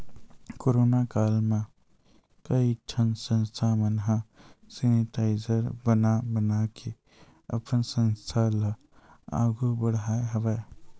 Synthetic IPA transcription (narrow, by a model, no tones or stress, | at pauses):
koːɾoːnakaːlmẽ | kəiʈʰənsə̃nst̪ʰamənɦasenɪʈaːɪd͡ʒəɾbənabənakʰe | ə̰pənsə̃nst̪ʰala | a̰ːɡubəɽaːeɦəʋɛː